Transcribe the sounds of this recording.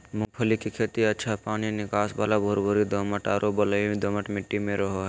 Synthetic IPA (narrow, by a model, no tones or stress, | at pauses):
mʊ̃ŋpʰəlikikʰeːt̪iɐtːʃʰapaːninɪkaːsbaːlabʱoːɾbʱoɾid̪oməʈaːɾobələd̪oməʈmɪʈːimẽɾəɦoɦɛ